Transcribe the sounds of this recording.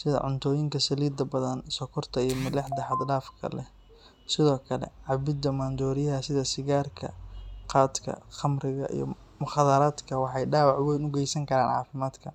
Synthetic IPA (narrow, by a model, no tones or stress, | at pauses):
sɪðɐ̰ʕʊnt̪ʰɔːjɪŋkʰɐsɐliːd̪ɐbɐðɐnsɔkʰɔrt̪ʰɐijɞmɪlɛħd̪ɐħɑd̪ɖaːfkʰɐ̰lɛ̰ | sɪðɔːkʰɐlɛ̰ʕɑbɪd̪ɐmaːnd̪ɔːɾɪjɐɦɐsɪðɐsɪɣaːrkʰɐ̰qaːd̪kʰɐ̰χɐmɾɪɣɐʔḭjɞ̰ | mʊxɑːðɐɾaːd̪kʰɐwɑħɑjɖaːwɑʕʊɣɛnʊɡɛjsɐŋkʰɐɾaːnʕɑ̰ːfɪmaːd̪kʰɐ